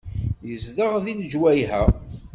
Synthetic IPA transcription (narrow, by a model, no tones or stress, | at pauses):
jəzðəʁðild͡ʒwæjɦæ